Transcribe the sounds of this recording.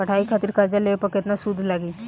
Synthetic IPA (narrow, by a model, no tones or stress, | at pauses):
ɐʈʰaːikʰaːt̪ɪɾkaɾd͡ʒaleʋepɐkɪt̪nasud̪ʱːlaɡiː